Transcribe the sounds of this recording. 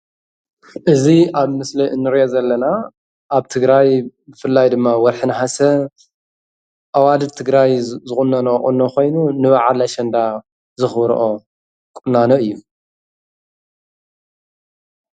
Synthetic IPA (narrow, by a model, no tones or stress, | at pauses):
ʔɨziʔaβmɨsliʔɨnːɨɾiʔozɐlːɐna | ʔaβt̪ʰɨɡɾajbɨfɨlːajd̪ɨmːawɐɾħɨnħasɐ | ʔawad̪ɨt̪ʰɨɡɾajzɨχʼunːɐnoχʼṵnokʰo̞jnunɨβaʕalaʃɐnd̪a | zɨxβɾ̰ʔo | kʼʊnːanoɨjːu